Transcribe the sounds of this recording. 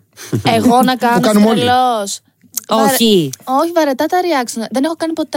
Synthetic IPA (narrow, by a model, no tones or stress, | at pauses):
eɣo̞nɐkɐnkɐnomolos | oioçivɐɾet̪ɐt̪ɐɾiɐksonðenexo̞kɐnipo̞t̪e